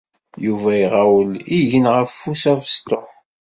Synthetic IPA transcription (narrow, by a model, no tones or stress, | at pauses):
juvæjiʁawəliʝənʁəfːusævəst̪oħ